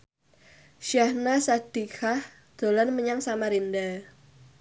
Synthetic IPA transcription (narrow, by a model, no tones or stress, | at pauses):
ʃjahnasad̥ixah | d̪̥o̤lanməɲaŋsamaɾinda